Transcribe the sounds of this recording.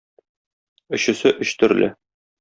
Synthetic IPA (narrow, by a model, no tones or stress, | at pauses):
ɵ̆ɕɵ̆sɘʔɵɕt̪ɵ̆ɾlʔɘ